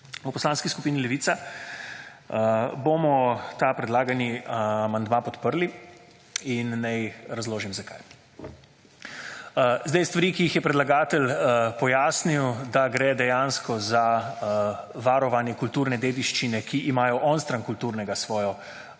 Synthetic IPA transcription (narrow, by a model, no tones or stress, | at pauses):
upɔslaːnskiskupiːnilɛʋiːt̪sa | boːmɔt̪apɾɛd̪laːɡanimand̪maːpɔt̪pəɾli | inːajɾazloːʒimzaka̰j | zd̪ajst̪ʋaɾiːkiixjɛpɾɛd̪laɡaːt̪ɛlpɔjaːsniwd̪aɡɾɛːd̪ɛjaːnskɔza | ʋaːɾɔʋanjɛkult̪uːɾnɛd̪eːd̪iʃt͡ʃinɛkʰiʔimaːjɔʔɔnst̪ɾaŋkult̪uːɾnɛɡasʋɔːjɔ